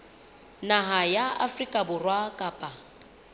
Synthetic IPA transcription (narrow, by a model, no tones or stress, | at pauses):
naɦajaa̰frikʼabʊrwakʼaːpʼa